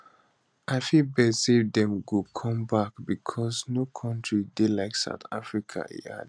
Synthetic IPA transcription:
ʔaɪfibɛsevd̪ɛ̃mɡokʰɔ̃mbakbikʰɔsnokʰɔ̃ntʰɹidelaɪksa̰ʊta̰fɹikʰa̰ʔḭa̰d

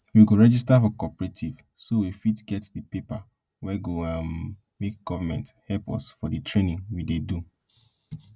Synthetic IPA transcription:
wiɡoɹɛd͡ʒistafɔkɔpɹetʰiv | sowifitɡɛtdəpepa | wɛɡoamː | ek̚ɡ̥ɔvamɛ̃nthɛpɔ̰sfɔdɨtʰɹenĩŋwidedu

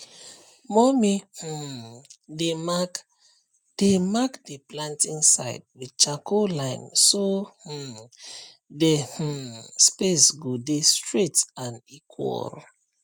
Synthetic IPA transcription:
mɔmih̩ | de | d̥emakdeplãntĩŋsa̰ɪd̚widt͡ʃakolãɪ̃nsoh̩ | deh̩spesɡodestɹetãnikʰwɔ̰l

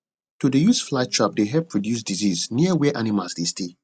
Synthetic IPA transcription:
tudəjusflat͡ʃʰɹɔp̚deɦɛl̚pʰɹɔdjus̬dizizniəwɛʔanimalsdestʰe

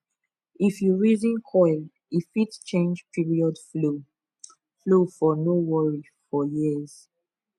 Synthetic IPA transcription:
ifjuɹizĩnkʰɔɪl | ifitt͡ʃẽnd͡ʒpʰiɹiɔdflo | flofɔnowɔɹi | fɔjiəz̥

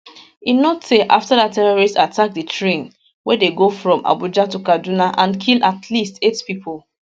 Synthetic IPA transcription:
inoteʔa̰ftadatʰɛɹɔɹistatʰak̚dətʰɹẽn | wɛdeɡofɹɔ̃mʔa̰bud͡ʒatukadunaʔãnkʰilatʰlistetpipʰɔl

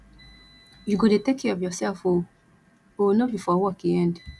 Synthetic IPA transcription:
juɡodetekiɔvjɔsɛlfo | onobifɔwɔkiɛ̃nd

